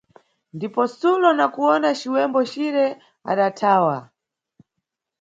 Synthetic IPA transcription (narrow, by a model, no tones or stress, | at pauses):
ndipɔsulɔnakuɔnat͡ʃiwɛmbɔt͡ʃiɾɛ | a̰ɗatʰaːwa